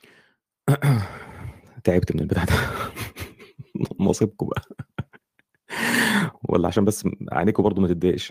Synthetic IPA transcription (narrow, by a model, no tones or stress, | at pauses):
ʔʔ | t̪aʕeb̚t̪menelbed̪aħd̪æ | nɑ̰sˤib̚kobæʔæ | wʔæ̰lːæʕaʃæːmbæsːʕa̰neːkobɑɾˤd̪omæt̪ed̪ːæːʔʃ